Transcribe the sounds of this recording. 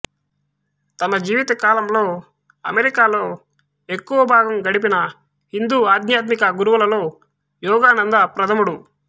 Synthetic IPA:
t̪ɐnɐd͡ʒiːʋit̪ɐkaːlɐmlo̞ː | ɐ̰meɾikaːlo̞ː | ekːuʋɐbʱaːɡɐmɡɐɽip̬inɐ | hind̪uːaːd̪ɲjaːt̪̬mikɐɡuɾuʋulɐlo̞ː | jɔːɡaːnɐnd̪ɐpɾɐt̪ʰɐmuɽu

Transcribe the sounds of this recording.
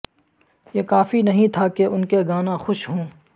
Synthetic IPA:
jeːkaːfinɐɦĩt̪ʰakeʔʊnkeɡaːnãxʊʃɦõː

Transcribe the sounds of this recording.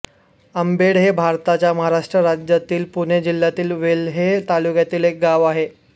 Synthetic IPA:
əmbeɽɦebʱaɾt̪at͡ɕjaməɦaɾaʂʈɾəɾad͡ʑjat̪iːlpuɳ̃ed͡ʑil̤ːjat̪iːlʋelɦet̪alukjat̪iːlek̚ɡaʋaɦe

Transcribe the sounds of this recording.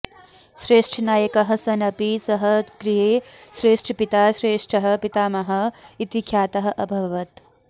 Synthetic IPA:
ʃɾeːʂʈʰɐnaːjɐkɐɦɐsɐnɐpisɐɦɐkɾiɦeːʃɾeːʂʈʰɐpit̪aːʃɾeːʂʈʰɐɦɐ̆pit̪aːmɐɦɐ̆it̪ikʰjaːt̪ɐɦɐ̆ʔɐbʱɐʋɐt̪

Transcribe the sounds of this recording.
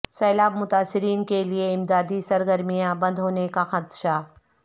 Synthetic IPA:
sɛːlaːbmʊt̪aːsːɪɾiːnkelieɪmd̪aːd̪isɐɾɡəɾmijãbɐ̃nd̪ɦoːnekaxad̪ʃa

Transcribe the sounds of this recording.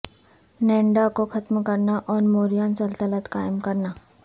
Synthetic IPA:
nɛ̃ːɳɖakoxɐt̪mkɐɾnaʔɔːɾmoːɾijaːnsɐlt̪ələt̪kaːɪmkɐɾnaː

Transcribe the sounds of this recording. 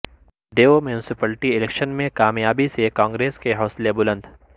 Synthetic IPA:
ɖeːomjuːnɪsɪpəlʈiɪlekʃənmẽkaːmjaːbisekãːŋɡɾeːskeɦɔːslebʊlə̃nd̪

